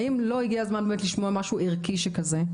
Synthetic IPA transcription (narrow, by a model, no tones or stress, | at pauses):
imlo̞iɡiazmanbeːmetliʃmoamaʃuiʁkiʃekaze